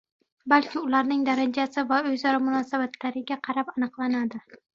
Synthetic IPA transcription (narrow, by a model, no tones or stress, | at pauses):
balkʲɪʊlaɾnɪŋd̪aɾand͡ʒasɪvaɵjzɒɾamʊnɒsabat̪ʰlaɾɪɡʲaqʰɑɾapanɨqlˠanad̪ɪ